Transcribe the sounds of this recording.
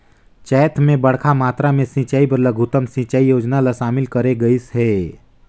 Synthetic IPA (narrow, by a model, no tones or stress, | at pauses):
t͡ʃɛːt̪ʰmẽbɐɽ̤kʰamaːt̪ɾamẽsĩːt͡ʃaːibɐɾlɐɡʱut̪əmsĩːt͡ʃaːijoːd͡ʒnalaʃaːmɪlkɐɾeɡɐisɦɛː